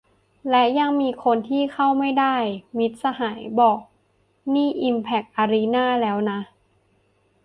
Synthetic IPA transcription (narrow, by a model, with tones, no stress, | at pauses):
lɛ˦˥ja˧ŋmiː˧kʰo˧nt̪ʰiː˥˩kʰa˥˩wma˥˩jda˥˩jmi˦˥t̪̚sa˧ɦaː˩˦jbɔː˨˩k̚ | niː˥˩ʔi˧mpʰɛ˨˩k̚ʔaː˧ɾi˦˥naː˥˩lɛː˦˥wna˦˥